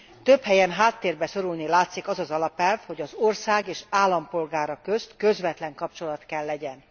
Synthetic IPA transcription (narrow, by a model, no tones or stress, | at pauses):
t̪øphɛjɛnɦaːt̪ːeːrbɛso̞ɾulnilaːt̪sikɒzɒzɒlɒpɛlvho̞ɟɒzorsaːɡeːʃaːlːɒmpo̞lɡaːɾɒkøst̪køzvɛt̪lɛŋkɒp̚t͡ʃo̞lɒt̪kɛlːɛɟɛn